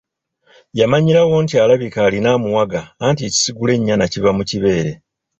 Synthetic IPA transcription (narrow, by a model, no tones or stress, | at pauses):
jamaɲiɾawo̞ːntialaβikaːlinaːmuwaɡaːntieci̥siɡule̞ɲːanacivamuciβe̞ːɾe̞